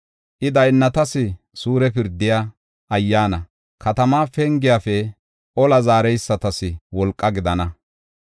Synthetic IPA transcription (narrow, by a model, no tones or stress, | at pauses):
ʔɪd̪ɐjnːɐt̪ɐsɪ | suːɾɛpɪɾd̪ɪja | ʔɐjːaːnɐ | kʰɐt̪ɐmaːfɛŋɡɪjafɛ | ʔɔlɐzaːɾɛjsːɐt̪ɐsɪwɔlkʼːɐɡɪd̪ɐnɐ